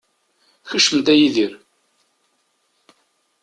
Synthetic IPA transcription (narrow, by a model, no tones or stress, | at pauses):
çəʃəmd̪æjiðiɾ